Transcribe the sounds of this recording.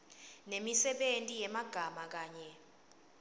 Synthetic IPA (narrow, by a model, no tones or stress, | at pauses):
nemisɛɓentʼijɛmaɡ̥ʱamak̬aːɲɛ